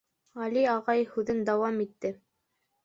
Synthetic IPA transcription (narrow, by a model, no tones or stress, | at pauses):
ʁɑliɑʁɑjhʉðɘnd̪ɑwɑmit̪ːɘ